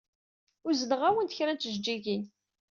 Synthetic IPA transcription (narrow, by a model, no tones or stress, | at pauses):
ʊɾzədəʁæwənt̪çɾænt̪əʒd͡ʒiʝin